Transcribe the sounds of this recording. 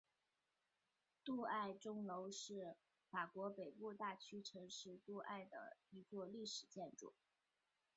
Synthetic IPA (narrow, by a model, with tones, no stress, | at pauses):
t̪u˥˧a˥˩ɪʈ͡ʂʊ˥ŋlo˧˥ʊʂɻ̩˥˩ | fa˨˩kwɔ˧˥pe˨˩ɪpu˥˧t̪a˥˩t͡ɕʰy˥ʈ͡ʂʰɤ˧˥ŋʂɻ̩˥˧t̪u˥˧ʔa̰˥˩ɪd̪ə̰˩i˧˥t͡swɔ˥˧li˥˩ʂɻ̩˨˩t͡ɕjɛ˥˧nʈ͡ʂṵ˨˥˩